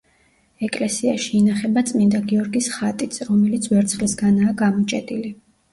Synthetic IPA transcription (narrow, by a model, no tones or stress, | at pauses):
ɛkʼlɛsiaʃiːnaχɛbat̪sʼmind̪aɡiɔɾɡisχat̪ʼit̪sʰɾɔmɛlit̪sʰvɛɾt̪sʰχlisɡanaːɡamɔt͡ʃʼɛ̰t̪ʼili